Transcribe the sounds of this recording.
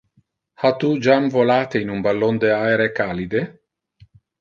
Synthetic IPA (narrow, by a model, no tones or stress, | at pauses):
hat̪ud͡ʒamvolaːt̪einumbalːond̪eaeɾekaːlid̪e